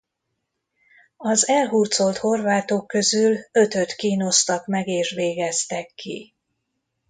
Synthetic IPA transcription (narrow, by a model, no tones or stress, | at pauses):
ɒzɛlɦuːrt̪so̞lt̪ho̞rvaːt̪okːø̞zylø̞t̪ø̞t̪kiːno̞st̪ɒkmɛɡeːʃʋeːɡɛst̪ɛkːḭ